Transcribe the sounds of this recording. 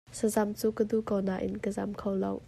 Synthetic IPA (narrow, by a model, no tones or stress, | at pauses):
səzamt͡suːkədukownaʔɪ̰nkəzamkʰowlɔ̰w